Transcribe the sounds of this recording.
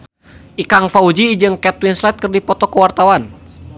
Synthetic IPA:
ʔikaŋfaud͡ʒid͡ʒɨŋkɛt̪winslɛt̪̚kɨrdipɔt̪ɔkəwart̪awan

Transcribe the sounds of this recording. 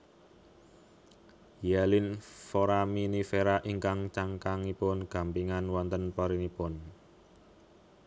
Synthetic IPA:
jalinfoɾaminifeɾaʔiŋkaŋt͡ʃaŋkaŋipʊnɡ̥a̤mpiŋanwant̪ənpaɾinipʊn

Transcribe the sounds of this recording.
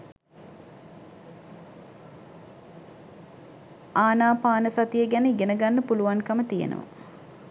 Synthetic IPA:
aːnaːpaːnəsat̪ijəɡænəɡenəɡanːəpuluʋanŋkəmət̪ijḛnə̰ʋə̰

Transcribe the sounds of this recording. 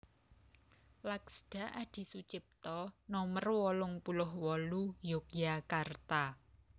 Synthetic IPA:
laksɖ̥a̤ʔad̪̥i̤sut͡ʃɪp̚t̪ɔnɔmərwɔlʊŋpulʊhwɔlujʊk̚jakart̪a

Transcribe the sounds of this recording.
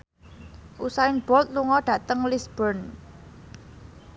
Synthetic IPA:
ʔusaɪŋb̥ɔlt̪̚luŋɔɖ̥ä̤t̪əŋlisb̥ɔrn

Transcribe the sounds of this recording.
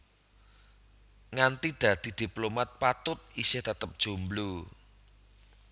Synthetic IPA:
ŋant̪id̪̥ä̤d̪̥i̤d̪̥i̤plomat̪̚pat̪ʊt̪̚isɪht̪ət̪əp̚d̥ʒ̥ṳmblu

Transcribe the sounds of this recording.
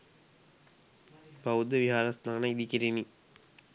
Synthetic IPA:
pɐud̪ɐʋiɦaːɾɐst̪aːnɐid̪ikiɾini

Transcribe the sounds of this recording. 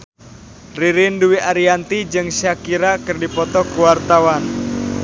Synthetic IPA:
riɾɪnduwiʔaɾiant̪id͡ʒɨŋʃakiɾakɨrdipɔt̪ɔkuwart̪awan

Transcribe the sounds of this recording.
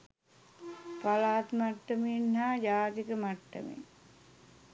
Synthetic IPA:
palaːt̪maʈːəminhaːjaːt̪ikəmaʈːə̰mḭŋ

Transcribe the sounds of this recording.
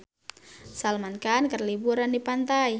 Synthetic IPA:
salmankankərlibuɾandipant̪aj

